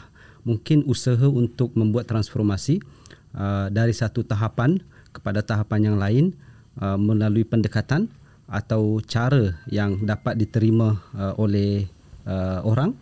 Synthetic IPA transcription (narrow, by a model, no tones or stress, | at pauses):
muŋkɪnusəɦəunt̪ʊk̚mə̃mbuat̪ːɾansfɔrmasi | ədaɾisat̪ut̪aɦapankə̥padat̪aɦapanjaŋlaɪn | əmə̃laluipəndəkat̪an | a̰t̪awt͡ʃaɾəjaŋdapat̪̚dit̪əɾimãʔolɛh | əoɾaŋ